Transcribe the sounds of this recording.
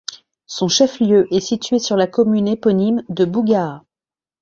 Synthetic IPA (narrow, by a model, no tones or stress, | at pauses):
sɔ̃ʃɛfljøʔɛsit̪ɥesyʁlakɔmynepɔnimd̪əbuɡa